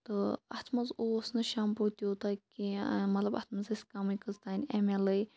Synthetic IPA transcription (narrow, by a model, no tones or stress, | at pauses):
t̪ɨɐt̪ʰmɐzosnɐʃaːmpot̪ioːt̪akimɐt̪lɐbɐ̰t̪ʰmɐziskamikəzt̪aːnʲemelɐj